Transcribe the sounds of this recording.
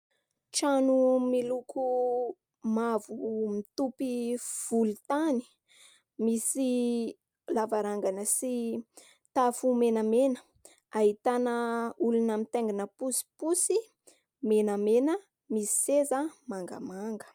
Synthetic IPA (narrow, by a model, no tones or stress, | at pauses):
ʈ͡ʂanumilukʰu | mavumit̪upiv̥ulut̪ani̥ | misi | lavaɾaŋɡanəsi | t̪afumenəmenə̥ | aɦit̪anəulunamit̪eŋɡinəpusi̥pusi | menəmenə | misi̥sezəmaŋɡa̰maŋɡə̥